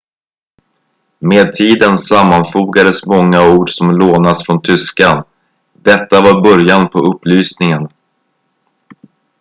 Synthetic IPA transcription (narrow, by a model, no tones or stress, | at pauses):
meːd̪̚t̪ʰiːd̪ənsamːanfuːɡad̪əsmɔŋːauːɖʂɔmloːnasfɾɔnt̪ʰʏskan | d̪ɛt̪ːavaɾbœɾjanpʰɔɵpːlyːsnɪŋən